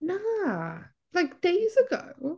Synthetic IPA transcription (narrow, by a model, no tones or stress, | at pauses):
na | laɪk̚d̥eɪzɨɡo̰ʊ